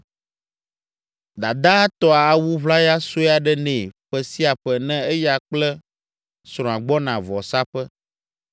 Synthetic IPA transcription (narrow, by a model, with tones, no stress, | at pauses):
d̪a˨d̪a˦t̪ɔ˦a˨a˨wu˦βla˦ja˦so˦˨a˨ɖɛ˦nɛ̃˨ɸɛ˨si˦a˨ɸɛ˨nɛ̃˦ɛ˦ja˨k͡plɛ˦ | sɾ̃ɔ̃˨a˨ɡ͡bɔ˦nã˨vɔ˨sa˦ɸɛ˦